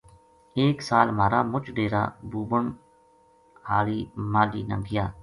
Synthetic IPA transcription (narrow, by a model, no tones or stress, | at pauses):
eːksaːlmaːɾaːmʊt͡ʃʰɖeːɾa̰ːbuːbəɳ | haːɭiːmaːliːnə̰ŋɡɪjaː